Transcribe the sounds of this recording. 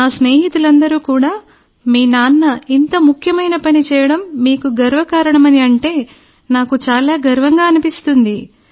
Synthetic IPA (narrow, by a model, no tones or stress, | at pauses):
naːsne̞ːɦit̪ulɐnd̪ɐɾuːkuːɽaː | miːnaːnːɐint̪ɐmukʰjɐmɐjnɐpɐnit͡ʃɛːjɐɽɐmːiːkuɡɐɾʋɐkaːɾɐɳɐmɐniɐɳʈe̞ː | naːkut͡ʃaːlaːɡɐɾʋɐŋɡaːɐnipist̪und̪i